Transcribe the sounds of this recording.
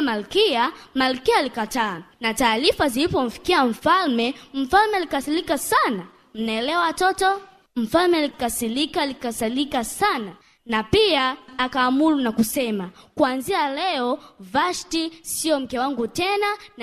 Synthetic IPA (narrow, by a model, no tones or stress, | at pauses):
malikiamalikialikataːnataːlifaziipɔm̩fi̥kiaɱ̩falmɛm̩falmɛlikasilikasana | m̩naɛlɛwaatɔtɔ | m̩falmɛlikasilikalikasalikasana | napiaːkaːmulunakusɛmakuanzialɛɔvaʃtisiɔm̩kɛwaŋɡutɛnan